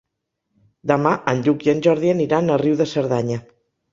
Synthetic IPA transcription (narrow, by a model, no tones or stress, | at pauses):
d̪amaʔanʎukienʲʒɔɾð̞ieniɾanəriwðəsəɾðaɲa